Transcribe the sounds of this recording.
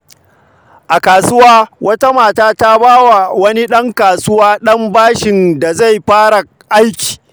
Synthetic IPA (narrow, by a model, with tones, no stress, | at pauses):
ʔa˨kaː˨sʊ˦waː˦wʔɐ˦ta˦maː˨taː˦ta˦baː˦wa˨wɐ˦ni˦ɗɐ˦ŋkaː˨sʊ˦waː˦ɗɐ˦mbaː˦ʃɪ˨nda˨za˦˨jɸaː˦ɽa˨ | ʔa˦jkʲi̥ː˨